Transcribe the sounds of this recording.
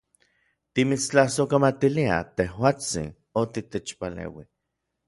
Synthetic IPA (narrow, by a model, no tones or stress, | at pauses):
t̪imit͡st͡ɬahsokamat̪ilia̰t̪ehwaːt͡sḭn | ot̪it̪et͡ʃpalḛwi